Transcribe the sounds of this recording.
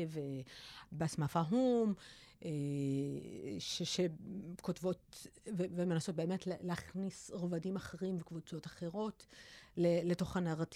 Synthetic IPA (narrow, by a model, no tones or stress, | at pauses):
vebeasmafaɦumʔe | ʃeʃekotvo̞tvevemenaso̞t̚be̞ːmetlleaχnisʁovadimaχeʁimvekvut͡so̞taχeʁo̞tleletoχanaʁat